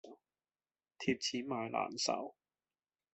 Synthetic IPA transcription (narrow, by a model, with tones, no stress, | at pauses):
t̪ʰiː˧p̚t͡sʰiː˨˥maː˨jla̰ː˨˩nsɐ̰˨˩w